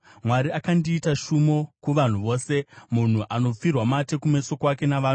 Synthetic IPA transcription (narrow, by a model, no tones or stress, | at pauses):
mwaɾiakandiːtaʃumo̞kuʋan̤uʋo̞ːse̞mun̤uʔano̞p͡firwamate̞kume̞so̞kwake̞naʋaːnu